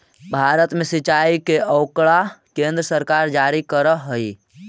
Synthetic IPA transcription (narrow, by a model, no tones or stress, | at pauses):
bʱaɾət̪mesit͡ʃaikeʔəʊkɭakẽnd̪ɾəsəɾkaɾd͡ʒaɾikəɾəɦəi